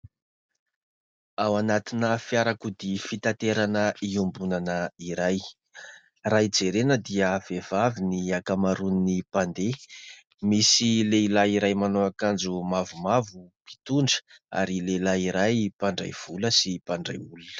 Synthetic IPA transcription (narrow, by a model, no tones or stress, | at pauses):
awanat̪inəfijaɾakud̪ifit̪at̪eɾanəiumbunanəiɾaj | rajd͡zeɾenəd̪iəv̥ev̥aviniakamaɾuninipand̪e | misileilaiɾajmanoakand͡zumavumavupi̥t̪uɳɖ͡ʐə̥a̰ɾilelaiɾajpaɳɖ͡ʐa̰jv̥uləsipaɳɖ͡ʐa̰julunə̥